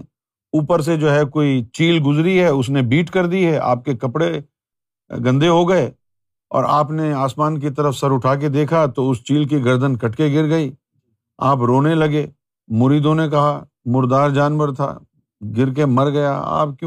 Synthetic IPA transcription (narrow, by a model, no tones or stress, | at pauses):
uːpəɾs̬ed͡ʒoːɦɛkoːit͡ʃiːlɡʊzɾiɦɛʊs̬nebiːʈkɐɾd̪iɦɛʔa̰ːp̚kekɐpɽe | ɡɐ̃nd̪ʱeɦoɡɐe | ɔ̰ːɾaːpneaːsmaːnk̬it̪ɐɾəfsɐɾʊʈʰaːk̬ed̪eːkʰat̪oʊst͡ʃiːlk̬iɡɐɾd̪ʱənkɐʈkeɡɪɾɡɐiː | aːpɾoːnelɐɡeː | mʊɾiːd̪õnek̬ɐɦa | mʊɾd̪aːɾd͡ʒaːnʋəɾt̪ʰa̰ː | ɡɪɾk̬emɐɾɡɐja̰a̰ːp̚kj